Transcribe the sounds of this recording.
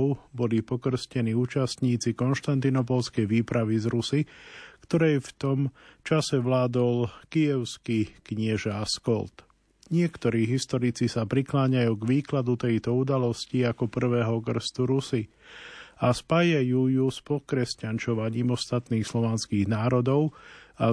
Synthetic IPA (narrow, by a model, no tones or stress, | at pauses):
ʊbɔlipɔkr̩scɛniːuːt͡ʃast̪ɲiːt͡sikɔnʃt̪ant̪inɔp̬ɔlskɛjʋiːpɾaʋizɾusikt̪ɔɾɛjft̪ɔmt͡ʃasɛʋlaːd̪ɔlkijɛʊskikɲɪɛʒaskɔlt̪ | ɲɪɛkt̪ɔɾiːɦist̪ɔɾit͡sisapɾiklaːɲajuːɡʋiːklad̪ut̪ɛjt̪ɔud̪alɔsciakɔpr̩ʋɛːɦɔkr̩st̪uɾusi | aspaːjajuːjuspɔkɾɛscant͡ʃɔʋaɲiːmɔst̪at̪niːxslɔʋanskiːɣnaːɾɔd̪ɔʊa